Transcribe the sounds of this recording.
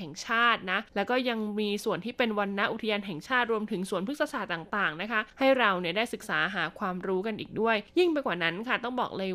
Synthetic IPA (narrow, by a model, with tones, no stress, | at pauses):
ɛ˨˩ŋt͡ɕʰaː˥˩t̪̚na˦˥lɛː˦˥wkɔː˥˩ja˧ŋmiː˧su˨˩ənt̪ʰiː˥˩pe˧nwa˧nːa˦˥ʔu˨˩t̪ʰa˧jaː˧nɦɛ˨˩ŋt͡ɕʰaː˥˩t̪̚ɾu˧əmt̪ʰɯ˩˦ŋsu˨˩ənpʰɯ˦˥t̚sa˧sʰaː˨˩t̪aː˨˩ŋt̪aː˨˩ŋna˦˥kʰa˦˥ha˥˩jɾa˧wni˥˩ɐdaː˥˩jsɯ˨˩k̚saː˩˦ɦaː˩˦kʰwaː˧mɾuː˦˥ka˧nʔiː˨˩k̚du˥˩əjji˥˩ŋpa˧jkwaː˨˩na˦˥nkʰa˥˩t̪ɔ˥˩ŋbɔː˨˩k̚lɤː˧